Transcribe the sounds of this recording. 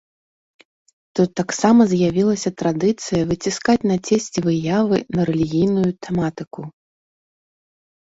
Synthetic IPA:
t̪ut̪ːaksamɐzʲjavʲilˠɐsʲɐt̪ɾad̪ɨt̪sɨjɐvɨt͡sʲiskat͡sʲnat͡sʲesʲt͡sʲvɨjavɨnɐɾɛlʲiɣʲijnujut̪ɛmat̪ɨku

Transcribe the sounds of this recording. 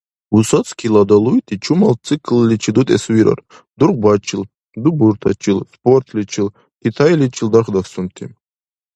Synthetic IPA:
usɔt͡s̪kʲʰilad̪alujt̪ʰit͡ʃʰumalt͡s̪ʰɨkllit͡ʃʰid̪ut̪ʼɛsuiɾa̰r | d̪urqbat͡ʃʰil | d̪ubuɾt̪ʰa̰t͡ʃʰilspɔrt̪ʰlʲit͡ʃʰil | t̪ʰit̪ʰajlit͡ʃʰild̪aχd̪aksumt̪ʰḭ

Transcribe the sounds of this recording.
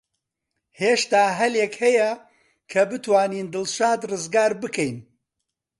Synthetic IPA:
heːʃt̪aːɦɐljekhɐjɐ | kʰɐbɨt̪waːniːnd̪ɨlʃaːd̪rɨzɡaːɾbɨkʰɛjn

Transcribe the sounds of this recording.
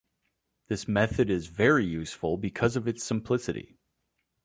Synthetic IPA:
ðɪsmɛθɨɾɪzvɛɹijʉsfl̩ˠbɨkʰʌzʌvɨtsɨ̃mpʰl̥ɪsɨɾḭ

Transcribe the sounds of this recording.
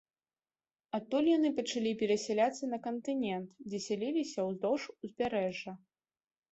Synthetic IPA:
ɐt̪ːulʲjanɨpɐt͡ʂalʲipʲɛɾɐsʲɛlʲat̪sːɐnɐkɐnt̪ɨnʲɛnt̪d͡zʲɛsʲalʲilʲisʲɐwzd̪ɔʂuzʲbʲaɾɛʐːɐ

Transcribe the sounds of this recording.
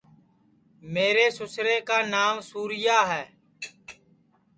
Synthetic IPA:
meːɾeːsʊsɾeːkaːnaːmsuːɾɪjaːɦɛː

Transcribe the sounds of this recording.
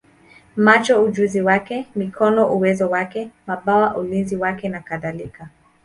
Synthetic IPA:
mat͡ʃɔuʄuziwakɛmikʰɔnɔʔuwɛzɔwakɛmaɓawaʔulinziwakɛnakaðalika

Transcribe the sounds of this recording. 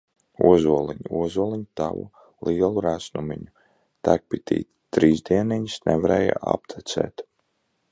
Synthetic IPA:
uɔzuɔlˠiɲuuɔzuɔlˠiɲut̪a̰vṵ | lˠiɛlˠuɾæsnumiɲu | t̪æk̚pit̪ḭːt̪t̪ɾiːzd̪iɛniɲisnʔɛvaɾɛːja̰a̰p̚t̪ʰɛt̪sɛ̰ːt̪

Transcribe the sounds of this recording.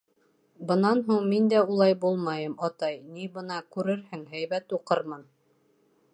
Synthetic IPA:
bɤ̆nɑnɦuɴmind̪æulˠɑjbulˠmɑjɤmɑt̪ɑjnibɤ̆nɑkʉɾɘɾhɘŋɦæjβæt̪uqɤɾmɤn

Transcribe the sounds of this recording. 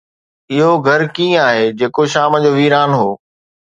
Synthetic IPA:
ɪɦoɡʱɐɾkĩːaːɦeːd͡ʑeːkoʃaːməd͡ʑoːʋiːɾaːnɦoː

